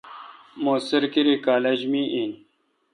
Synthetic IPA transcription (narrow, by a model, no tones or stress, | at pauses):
moːsɐɾkiɾikaːled͡ʑmiʔin